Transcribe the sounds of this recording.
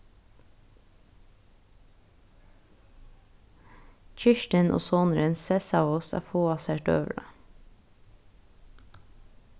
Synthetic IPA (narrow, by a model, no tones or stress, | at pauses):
c͡çɪʃʈənʔo̰ːsoːnəɾənsɛsɑʊsæ̰ːfoːɑseːʈø̰ːʋɹɑ̰